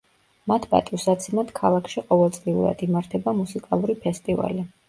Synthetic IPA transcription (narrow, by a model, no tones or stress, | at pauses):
mat̪ʰba̰t̪ʼusat̪sʰimat̪kʰalˠakʰʃiqʼɔvɛlˠt̪sʼliṵɾa̰d̪imaɾt̪ʰɛbamusikʼalˠuɾipʰɛst̪ʼiva̰li